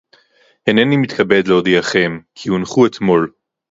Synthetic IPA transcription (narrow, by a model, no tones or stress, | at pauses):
henenimit̪kʰabed̪leod̪iaχe̞mkʰiunχuet̪mo̞l